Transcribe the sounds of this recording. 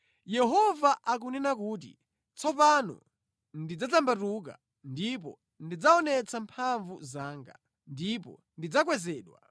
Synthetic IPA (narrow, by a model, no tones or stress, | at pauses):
jɛɦɔvaʔak̬unɛnak̬uːt̬ḭ | t͡sɔpanɔ̰ | ndid͡zatambatuk̬a̰ | ndip̬ɔ | ndid͡zaɔnɛt͡sampʰaɱvuzaːŋɡa̰ | ndipɔ̰ | ndid͡zak̬wɛzɛːɗwa̰